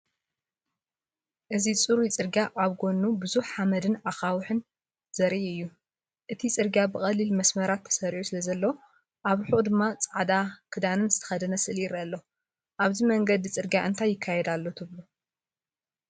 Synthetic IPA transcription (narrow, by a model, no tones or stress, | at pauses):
ʔɨzit͡sʼɨɾut͡sʼɨɾɡjaʔaβɡo̞nːubɨzuħħamɐd̪ɨnaxawħɨn | z̥ɐɾiʔɨjːu | ʔɨt̪ʰit͡sʼɨɾɡjabɨχʼɐlːilmɐsmɐɾat̪ʰːɐ̥sɐɾʕusɨlɐzɐlːɐw | ʔaβħuʔʼd̪ɨmːat͡sʼaʕd̪akʰɨd̪anɨnzɨt̪ʰɐ̥xɐd̪ɐnɐsɨʔɨlɪɾalːo | ʔaβzimɐŋɡɐd̪ɨt͡sʼɨɾɡjaʔɨnt̪ʰajːɪkʰːajɛd̪alːo̞t̪ʰɨβlu